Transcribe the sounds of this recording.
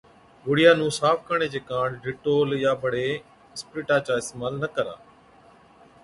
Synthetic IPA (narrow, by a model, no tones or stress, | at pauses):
ʋʊɽɪjaːnũːsaːfkəɳ̃eːd͡ʑeːkãːɳɖɪːʈoːljaːbʱəɽeː | ɪspɾiːʈaːt͡ʃaːɪst̪eːmaːlnəkəɾa̰ː